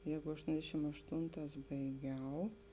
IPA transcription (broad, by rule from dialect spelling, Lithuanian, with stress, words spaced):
ˈjɛɪɡʊ ɐʃˈtoːnʲdʲɛʃʲɪm ɐʃˈtoːnˌtɑːs bɐɪˈɡʲɛʊ